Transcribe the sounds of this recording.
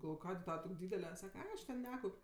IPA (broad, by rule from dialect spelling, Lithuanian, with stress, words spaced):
ɡɐlˠˈʋoːj ˈkɑːdʲeː ˈtɑːʋɐ ˈtoːkʲ ˈdʲiːdʲɛlʲɛ ˈsɑːkɐ ˈɐɪ ɐʃ ˈtʲɛn ˈnʲæːkɐʊpʲ